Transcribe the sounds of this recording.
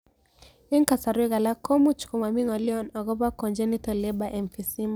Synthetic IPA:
ɛ˦ŋka˨sa˨ɾwɛ˦ɣa˨la˦kɔ˦mu˦t͡ʃkɔ˨ma˨mi˦ŋɔ˨li˦ɔ˦nɔ˨ɣɔ˦ba˦kɔ˨nd͡ʒɛ˦ni˦tɔ˨lɛ˦ba˦ʔɛ˨mfi˨si˦ma˨

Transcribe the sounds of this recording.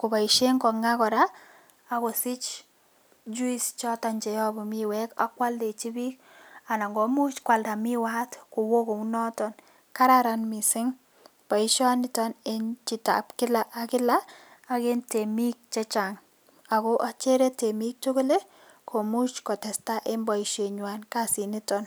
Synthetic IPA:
kʊ˨ba˨iʃe˦ŋkɔ˨ŋa˦kɔ˨ɾaː | ko˨sɪ˦t͡ʃ | d͡ʒu˦ist͡ʃɔ˦ta˨ɲt͡ʃɛ˨jɔ˦bɔ˨miwɛka̰˦kwa˦lde˨t͡ʃi˦bi˦k | a˨na˨ŋɡɔ˨mu˦t͡ʃkwa˨lda˨miwa˦tku˨wo˦ko˨u˦nɔ˦tɔ˨n | ka˦ɾaɾanmi˨sɪ˦ŋ | b̥a˨iʃɔ˦nɪ˦tɔ˦ne˦nt͡ʃɪ˨ta̰pkɪ˦la˦ʔa˨kɪ˦laː˦ | ke˦nte˨mi˦k̚t͡ʃɛ˦t͡ʃa˨ŋ | a˨ko˦ʔa˨t͡ʃe˦ɾe˦te˨mi˦k̚t͡ʃo˦ko˦le˦ | kʰo˨mu˦t͡ʃkɔ˨tɛ˨sta˦ʔe˦mba˨i˨ʃe˨ɲwa˨nkasi˨nɪ˦tɔn

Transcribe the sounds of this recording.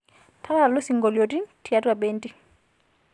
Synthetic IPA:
tʰa˦la˦˨lo˦si˨ŋɡɔ˨ljɔ˨ti˦tʰi˨a˦twa˨ɓɛ˦nti˦

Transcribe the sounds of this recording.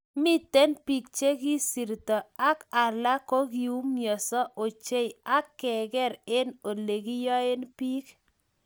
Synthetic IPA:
mɪ˦t̪e˦npi˨k̚t͡ʃe˦ɡi˦si˨ɾt̪ɔ˨a˦ka˨la˦ko˦ɡi˨u˦mjɔ˨sɔ˦ʔo˨t͡ʃe˦ja˦kːɛ˨ɡɛ˦ɾɪ˦no˨le˨ɡi˦jɔ˦e˦npi˦k

